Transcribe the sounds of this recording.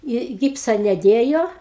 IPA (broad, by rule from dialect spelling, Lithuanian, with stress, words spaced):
ɪ ˈɡʲɪpsɐ nʲɛˈdʲeːjoː